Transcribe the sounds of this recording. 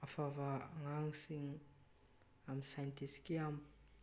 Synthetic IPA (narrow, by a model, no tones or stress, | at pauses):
afavaŋaŋisiɲi | aminsajnt̪isi̥kiam